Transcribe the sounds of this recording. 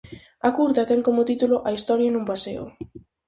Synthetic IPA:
ɐkuɾðɐt̪ɛŋkomot̪it̪uloʔɐist̪ɔɾjanumpasḛo̰

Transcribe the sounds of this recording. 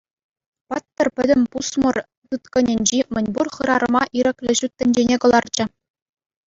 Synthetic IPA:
pɑt̪ːɤ̆rpʲɘ̆dʲɘ̆mʲpusmɤ̆r | t̪ɯt̪̚kɤ̆nʲɘ̆nʲd͡ʑimʲɘ̆nʲburχɯ̆ɾɑɾɤ̆mɑʔiɾʲɘ̆klʲɘ̆ʑut̪ʲːɘ̆nʲd͡ʑenʲekɤ̆lˠɑrd͡ʑɘ̆

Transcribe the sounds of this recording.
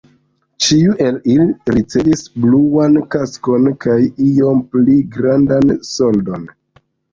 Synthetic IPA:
t͡ʃiuʔe̞liliɾit͡se̞visbluankasko̞nkajio̞mpliɡɾandanso̞ldo̞n

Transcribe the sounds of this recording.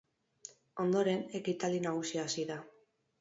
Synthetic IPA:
o̞nd̪o̞ɾe̞ne̞kit̪ald̪inaɣusiaːsiða

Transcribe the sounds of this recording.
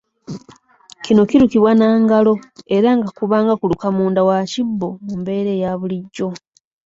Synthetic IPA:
cino̞ciɾukiβwanaːŋɡalo̞e̞ɾaŋɡakuβaːŋɡakulukamuːndawacibːo̞mumbe̞ɾe̞ːjaβuliɟːo̞

